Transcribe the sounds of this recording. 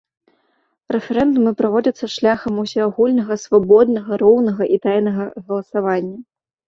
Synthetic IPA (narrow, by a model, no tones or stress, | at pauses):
rɛfɛɾɛnd̪umɨpɾavɔd͡zʲɐt̪sːɐʂlʲaxɐmusʲiaɣulʲnɐɣɐsvabɔd̪nɐɣɐɾɔwnɐɣɐʔit̪ajnɐɣɐɣɐlˠɐsavanʲːɐ